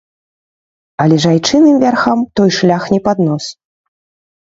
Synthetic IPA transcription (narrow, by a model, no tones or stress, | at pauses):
ɐlʲɛʐajt͡ʂɨnɨmvʲarxamt̪ɔjʂlʲaxnʲɛpad̪nɔs